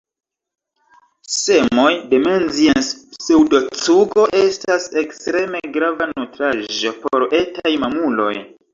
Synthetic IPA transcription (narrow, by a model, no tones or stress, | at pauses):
se̞mo̞jde̞menzienssewdo̞t͡suɡo̞ʔestase̞kstɾe̞me̞ɡɾavanutɾaʒo̞poɾe̞tajmamulo̞̰j